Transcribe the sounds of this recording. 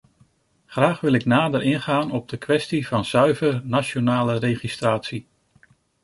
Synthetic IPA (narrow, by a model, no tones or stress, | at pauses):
χraːχʋɪlˠɪknaːdəɾɪnχaːnɔb̚dəkʋɛstivɑnzœɥvəɹnat͡ʃonaːlərejχistraːtsi